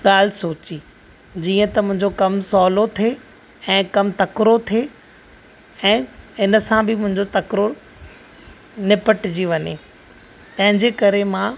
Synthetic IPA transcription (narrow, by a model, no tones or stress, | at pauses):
ɠaːl̤soːt͡ɕi | d͡ʑiːə̃t̪ɐmʊ̃ɦɪ̃ɲd͡ʑokɐmsɔːlot̪ʰe | ɛ̃ːkɐmt̪ɐkɾot̪ʰeː | ɛ̃ːɪnə̆sãbɪmʊ̃ɦɪ̃ɲd͡ʑot̪ɐkɾo | nɪpəʈɪd͡ʑiʋɐɲeː | t̪ɐ̃ɦɪ̃ɲd͡ʑeːkɐɾemãː